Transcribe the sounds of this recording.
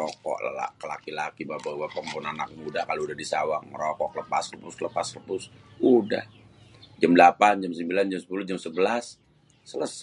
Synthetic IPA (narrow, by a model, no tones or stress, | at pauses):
ɔkɔ̰ʔla̰la̰kəla̰kilakibabawapəmpuʊnanak̚mudahkaloudahdisawaŋəɾɔkɔʔləpasləpʊskələpasləpʊs | uda̰h | d͡ʒamdəlapand͡ʒamsəmbiland͡ʒamsəpulʊhd͡ʒamsəbəlasː | ələs